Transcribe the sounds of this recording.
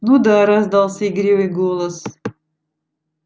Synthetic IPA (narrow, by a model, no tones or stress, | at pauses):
nud̪aɾazd̪ɑlˠsʲəiɡɾʲivɨjɡolˠəs